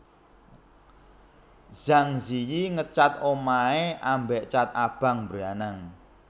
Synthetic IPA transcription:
z̥aŋzijiŋət͡ʃat̪omaeʔambeʔt͡ʃat̪̚ab̥a̤ŋmbɾanaŋ

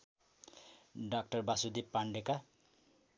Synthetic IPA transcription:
ɖak̚ʈʌrbasud̪ipːaɳɖeka

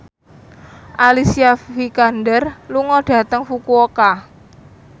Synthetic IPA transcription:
ʔalisiafikandərluŋɔɖ̥ä̤t̪əŋfukuoka

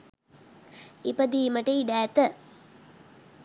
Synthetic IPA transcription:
ipɐd̪iːmɐʈɐjɖæːt̪ɐ

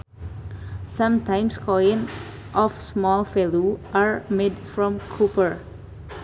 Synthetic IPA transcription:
sãmtãj̃mskʰɔjɪ̃n | ʔɔfsmɔlfɛluʔaɹmedfɹɔ̃mkʰupəɹ

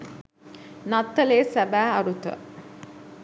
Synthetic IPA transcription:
nat̪ːəleːsæbæːɐɾut̪ə̰

